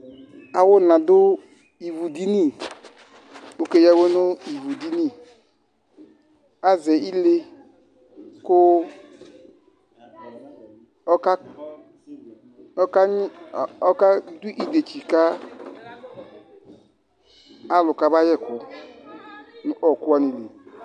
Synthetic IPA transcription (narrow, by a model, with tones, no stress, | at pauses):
a˨wʊ˦na˨dʊ˦ | i˨vu˨di˦ni˦˨ | o˦ke˦ja˦wo˦nu˦i˨vu˨di˦ni˦˨ | a˦zɛ˨i˦le˧ | kʊ˦ | ɔ˦ka˦ | ka˦ɔ˦ka˦du˦ʔi˦de˨t͡ʃi˨ka˦ | a˦lʊ˨ka˧ba˦jɛ˦˨kʊ˨ | n˦ʔɔ˨ku˦a˧˦ni˨le˨